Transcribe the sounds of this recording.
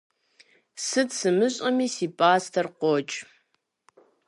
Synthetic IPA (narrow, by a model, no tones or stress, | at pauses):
sɨtsɨmɨɕʼɐmiːsiːpʼaːstʰɐrqʷɔt͡ʃʼ